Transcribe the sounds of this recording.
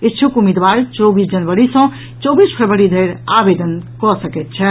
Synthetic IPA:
est͡ʃʰukumid̪baɾt͡ʃɔbisd͡ʒənbəɾisə̃ | t͡ʃɔbispʰəɾbəɾid̪ʱejɾabed̪ənkɔsəkɛt̪̚t͡ʃʰɛ

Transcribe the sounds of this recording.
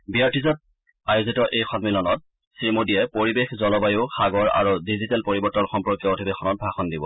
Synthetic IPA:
biaɹtizɔt̚ | ajʊzitɔʔejxɔnmilɔnɔt̚ | sɹimodiɛpoɹibexzɔlɔbajuʊxaɡɔɹa̰ɹudizitɛlpoɹibɔɹtɔnxɔmpɹɔkjɔodʱibexɔnɔt̚bʱaxɔndibɔ̰

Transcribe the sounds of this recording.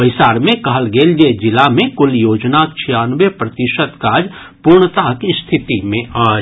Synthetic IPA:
əɪsaːɾmẽkɐɦəlɡeːld͡ʒed͡ʒɪlamẽkʊljoːd͡ʒnakt͡ʃʰijaːnʋepɾɐt̪ɪʃət̪kaːd͡ʒ | puɾɳət̪akist̪ʰɪt̪imẽʔaː

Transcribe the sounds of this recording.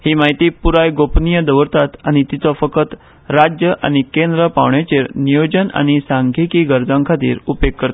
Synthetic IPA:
hiːmaɦit̪iːpuɾajɡopnijəd̪əʋəɾt̪at̪añit̪it͡sɔfəkʰət̪ | ɾad͡ʑjəʔa̰ñikẽnd̪ɾəpa̰ʋɳjat͡ɕeɾnijod͡ʑəna̰ñisãŋɡʱekiːɡəɾd͡zãŋkʰat̪ḭːɾupjekːəɾt̪a

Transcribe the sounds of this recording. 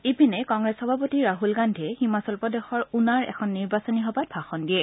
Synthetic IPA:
ipinɛkɔŋɡɹɛsxɔbʱapotiɹaɦulɡandʱɛhimasɔlpɔdɛxɔɹunaɹɛ̰kʰɔnːiɹbasɔniɦɔbat̚bʱaxɔndiɛ

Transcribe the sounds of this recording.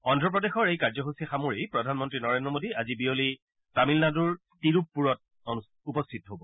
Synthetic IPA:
ɔndʱɹɔp̬ɹɔdexɔɹejkaɹzɔɦusiaxamuɹejpɹɔdʱanmɔntɹinɔɹendɹɔmodiazibioli | tamilnaduɹ | tiɹup̚ːuɹɔt̚ | upɔstʰitɔɦobɔ

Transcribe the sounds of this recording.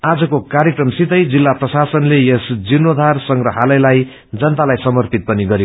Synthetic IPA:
ad͡zʌkokaɾjekrʌmsit̪ʌjd͡zilːaprʌsasʌnlejesd͡zinːod̪ʱarsʌŋɡrʌɦalʌjlaj | d͡zʌnt̪alajsʌmʌrpit̪̚pʌniɡʌɾjo

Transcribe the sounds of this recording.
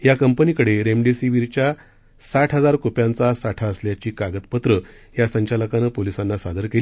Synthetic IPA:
jakəmpənikəɽeɾemɖisiʋiɾt͡ɕja | saʈʰɦəd͡zaɾkopjãnt͡sasaʈʰaəsljat͡ɕiːkaɡət̪pət̪ɾə | jasəɲt͡ɕaləkanəpolisãnːasad̪ʱəɾkeli

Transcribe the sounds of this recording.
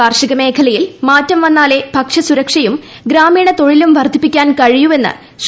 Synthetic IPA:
aːrʂiɣɐme̞ːkʰɐlɐjilmaːtːɐmʋɐnːaːle̞bʱɐkʂɐsuɾɐkʂɐjum | ɡɾaːmiːɳɐt̪o̞ɻilumʋɐrd̪ʱipːikʲːaːnkɐɻijue̞nːɨ̰ | ɕ

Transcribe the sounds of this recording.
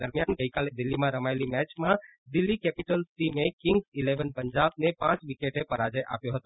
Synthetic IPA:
d̪əɾmijanɡəjkaled̪ilːimãɾəmajlimɛt͡ʃmã | d̪ilːikɛpiʈəlsʈimekiŋɡsileʋənpəɲd͡ʒab̚nepãt͡ʃʋikeʈepəɾad͡ʒəjʔa̰pjoɦət̪o

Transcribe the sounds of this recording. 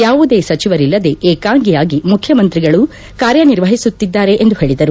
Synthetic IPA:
jaːʋud̪e̞ːsɐt͡ʃiʋɐɾilːɐd̪e̞ʔeːkaːŋɡijaːɡimukʰjɐmɐnt̪ɾiɡɐɭu | kaːɾjɐniɾʋɐɦisut̪ːid̪ːaːɾe̞ʔend̪uɦe̞ːɭid̪ɐɾu

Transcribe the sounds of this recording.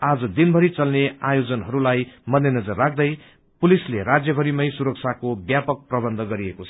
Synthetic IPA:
ad͡zʌd̪inbʱʌɾit͡sʌlneajod͡zʌnɦʌɾulajmʌnd̪jenʌd͡zʌrːak̚ʰd̪ʌj | pulisleɾad͡zjʌbʱʌɾimʌjsuɾʌk̚t͡sʰakobjapʌk̚prʌbʌnd̪ʱʌɡʌɾiekot͡sʰʌ̥

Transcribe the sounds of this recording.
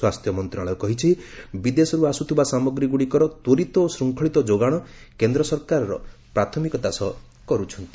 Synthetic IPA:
wast̪ʰjɔmɔnt̪ɾaɭɔkɔɦit͡ʃʰibid̪esɔɾuasut̪ʰibasamɔɡɾiɡuɽikɔɾɔt̪woɾit̪ɔosɾuŋkʰɔɭit̪ɔd͡ʒoɡaɽ̃ɔkend̪ɾɔsɔɾkaɾɔɾɔ̰pɾat̪ʰɔmikɔt̪asɔ | kɔɾut͡ʃʰɔnt̪i

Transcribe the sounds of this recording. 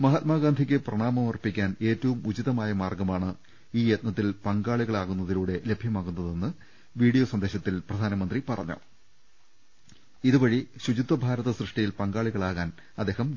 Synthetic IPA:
mɐɦat̪̚maːɡaːnd̪ʱikʲːɨprɐɳaːmɐmɐrpːikʲːaːne̞ːtːɐʋumud͡ʑiðɐmaːjɐmaːrɡɐmaːɳɨ | iːjet̪̚nɐt̪ːilpɐŋɡaːɭiɣɐɭaːɣunːɐðiluːɽe̞le̞bʱjɐmaːɣunːɐðe̞nːɨ | ʋiːɽijo̞ːsɐnd̪e̞ːɕɐt̪ːilprɐd̪ʱaːnɐmɐnd̪ripɐrɐ̰ɲːṵ | iðuʋɐɻiɕud͡ʑit̪ːɐbʱaːɾɐðɐsrɨʂʈijilpɐŋɡaːɭiɣɐɭaːɣaːn | ɐd̪ːeːɦɐm

